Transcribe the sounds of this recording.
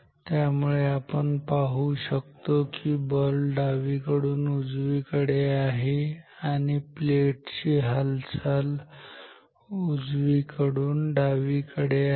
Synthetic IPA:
t̪jamuɭeapəɳpaɦuːɕəkt̪okiːbəlɖaʋikəɽuːnud͡zʋiːkəɽeaɦeaɽ̃ipleʈt͡ɕiːɦəlt͡sal | ud͡zʋiːkəɽuːnɖaʋikəɽe

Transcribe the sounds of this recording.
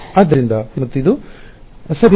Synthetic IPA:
aːd̪ːɐɾind̪ɐmɐt̪ːuid̪u | sɐbʱ

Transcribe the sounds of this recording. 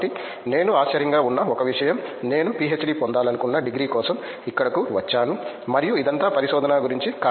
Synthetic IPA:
ʈi | ne̞ːnuaːt͡ʃːɐɾɐŋɡaːunːɐɔkɐʋiʂɐjɐmne̞ːnupiet͡ʃːɖiːpond̪aːlɐnukunːɐɖiɡɾiːkɔːsɐm | ikːɐɽɐkuʋɐt͡ʃːaːnu | mɐɾijuid̪ɐnt̪aːpɐɾiʃɔːd̪ɐnaːɡuɾiɲt͡ʃika

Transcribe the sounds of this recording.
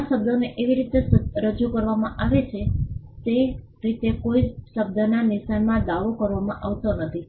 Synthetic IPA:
aʃəb̚d̪ʱoneʔeʋiɾit̪eɾəd͡ʒukəɾʋamãʔaʋet͡ʃʰe | t̪e | ɾit̪ekoiʃəb̚d̪ʱənanɪʃanmãd̪aʋokəɾʋamã̰ʔaʋt̪onət̪ʰi

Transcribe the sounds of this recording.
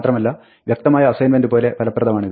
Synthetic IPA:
t̪rɐmɐlːɐ | ʋjɐk̚t̪ɐmaːjɐːsɐjnmendɨpoːle̞pʰɐlɐpːrɐðɐmaːɳiðɨ

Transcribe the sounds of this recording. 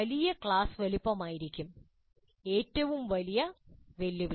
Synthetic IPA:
ɐlijɐkɭaːsʋelipːɐmaːjiɾikʲːum | e̞ːtːɐʋumʋɐlijɐʋelːiʋ

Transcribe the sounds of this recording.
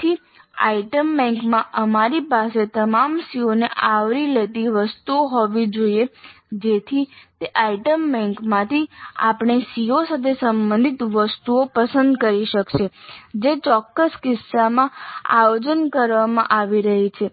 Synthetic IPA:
t̪ʰi | a̰iʈəmbɛ̃ŋkmãʔəmaɾipaset̪əmamsioneʔaʋɾilet̪iʋəst̪uoɦɔʋid͡ʒoie | d͡ʒet̪ʰit̪eʔaiʈəmbɛ̃ŋkmãt̪ʰia̰pɳ̃esiosat̪ʰesəmbənd̪ʱit̪ʋəst̪uopəsə̃nd̪kəɾiʃəkʃed͡ʒet͡ʃɔkːəskɪsːamãa̰jod͡ʒənkəɾʋamã̰ʔaʋiɾəɦit͡ʃʰe

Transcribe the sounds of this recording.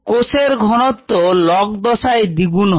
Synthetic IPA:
koseɾɡʱɔnɔt̪ːolɔk̚d̪ɔsaed̪ibun

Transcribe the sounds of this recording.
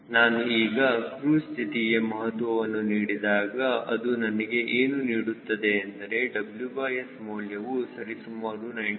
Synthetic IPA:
naːnuiːɡɐkɾuːst̪ʰit̪ijemɐɦɐt̪ʋɐʋɐnːuniːɽid̪aːɡɐɐd̪unɐnɐɡe̞ʔeːnuniːɽut̪ːɐd̪e̞ɐnd̪ɐɾe̞ɖɐbljubɐːjesmoːljɐʋusɐɾisumːaːɾunɐj

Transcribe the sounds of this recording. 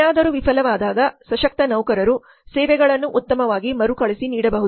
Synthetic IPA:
aːd̪ɐɾuʋipʰɐlɐʋaːd̪aːd̪ɐsɐʃɐk̚t̪ɐnɐwkɐɾɐɾu | sɛːʋɛɡɐɭɐnːuʔut̪ːɐmɐʋaːɡimɐɾukɐɭisiniːɽɐbɐɦu

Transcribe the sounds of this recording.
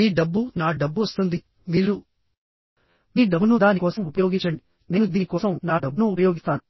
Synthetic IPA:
miːɖɐbːunaːɖɐbːuʋɐst̪und̪i | miːɾu | miːɖɐbːunud̪aːnikɔːsɐmupɐjo̞ːɡint͡ʃːɐɳɖi | ne̞ːnud̪iːnikɔːsɐmnaːɖɐbːunuːpɐjo̞ːɡist̪aːnu

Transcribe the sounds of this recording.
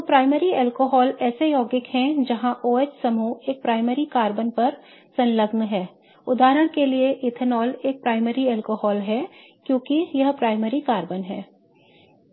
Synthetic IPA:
topɾaːɪməɾiɛːlkoɦɔːlɛːsejɔːɡɪkɦɛ̃d͡ʒɐɦãʔoːet͡ʃsɐmueːk̚pɾaːɪmeɾikaːɾbənpɐɾ | sɐ̃nləɡnɦɛː | ʊd̪aːɾəɽ̃kelieʔɪt̪ʰənɔːleːk̚pɾaːɪməɾiɛːlkoɦɔːlɦɛ | kjõːkijɐɦpɾaːɪməɾikaːɾbənɦɛː

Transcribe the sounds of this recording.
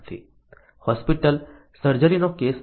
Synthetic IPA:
t̪ʰḭː | hɔːspiʈəl | səɾd͡ʒəɾinokeːs

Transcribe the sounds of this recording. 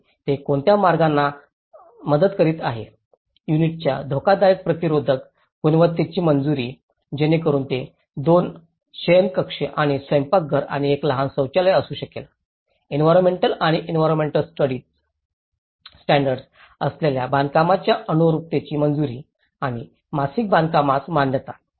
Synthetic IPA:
t̪ekoɳt̪jamaɾɡanːa | məd̪ət̪kəɾiːt̪aɦe | juniʈ̚t͡ɕja̰d̪ʱokad̪ajek̚pɾət̪iɾod̪ʱək | ɡ̥unʋət̪ːet͡ɕiːmənd͡zuɾiː | d͡ʑenekəɾuːnt̪e | d̪on | ɕəjənkəkʂeʔaɽ̃isʋəjmpak̚ɡʱəɾa̰ɽ̃iekləɦansəwt͡ɕaləjəsuːɕəkela | inʋajɾonmeɳʈəlaɽ̃iʔinʋajɾonmeɳʈəlsʈəɽiː | ʈæ̃ɳɖəɾɖs | əsleljaband̪kamat͡ɕjaʔənuɾup̚t̪et͡ɕiːmənd͡zuɾiː | aɽ̃i | masiːk̚bãnd̪̚kamat̪manjət̪a

